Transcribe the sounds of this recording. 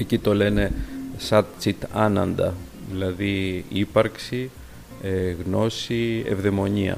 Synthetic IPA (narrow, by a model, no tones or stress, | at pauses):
ecit̪o̞le̞ne̞sɐt̪̚t͡sit̪ɐnɐnd̪ɐ̰ | ðilɐðiipɐɾksi | eɣno̞siḛvðemo̞ɲiɐ̰